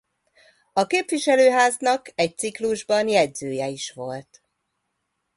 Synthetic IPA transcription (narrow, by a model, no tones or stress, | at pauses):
ɒkeːpʋiʃɛløːɦaːznɒkɛc̚t̪sikluʒbɒnjɛɟzøːjɛiʃʋo̞lt̪